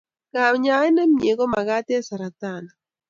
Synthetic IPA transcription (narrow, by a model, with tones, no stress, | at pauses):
ka˨ɲa˨˦e˦nɛ˦mje˨ɣɔ˦ma˨ɣa˦te˦a˦sa˨ɾa˨t̪a˦˨na